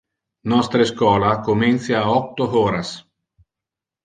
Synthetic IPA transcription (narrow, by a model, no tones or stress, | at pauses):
nɔst̪ɾeskwɔːlakomint̪sjaːɔk̚t̪ːoɦɔːɾas